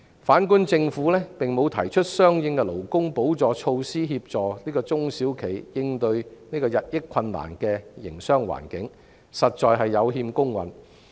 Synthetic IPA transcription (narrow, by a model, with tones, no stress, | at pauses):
faː˨˥nkuː˥nt͡sɪ˧ŋfu˨˥lɛː˥pɪ˨ŋmo˨˧wt̪ʰɐ˨˩jt͡ʃʰɵ˥t̚sœː˥ŋjɪ˧ŋkɛ˧lo˨˩wkʊ˥ŋpo˨˥wt͡sɔː˨t͡ʃʰo˧wsiː˥ɦiː˧p̚t͡ʃt͡sɔː˨˩niː˥kɔː˧t͡sʊ˥ŋsiː˨˥wkʰe˨˩jjɪ˧ŋt̪ɵ˧ɥniː˥kɔː˧jɐ˨t̚jɪ˥kʰːɐ˧nːa̰ː˨˩nkɛː˧jɪ̰˨˩ŋsœː˥ŋwa̰ː˨˩nkɪ˨˥ŋ | sɐ˨t̚t͡ʃɔː˨jɦɐ˨jːɐ˨˧wɦiː˧mkʊ˥ŋwɐ̰˨n